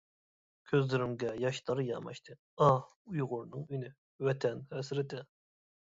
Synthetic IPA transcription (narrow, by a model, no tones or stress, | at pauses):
kʲʰøzlyɾɪmɡʲɛjɑʃt̪ʰɑɾjɑ̰mɑ̰ʃt̪ʰɨ | ɑ | ujʁʊɾnɨŋyny | vɛt̪ʰɛnhɛsɾɪt̪ʰɛn